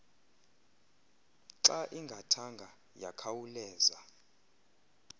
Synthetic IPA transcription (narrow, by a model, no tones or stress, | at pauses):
ǁaʔiŋɡʱatʰaŋɡʱa | jakʰawulɛːza